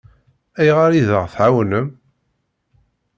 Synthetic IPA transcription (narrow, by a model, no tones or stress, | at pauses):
æjʁaɾiðəʁθʕawnəm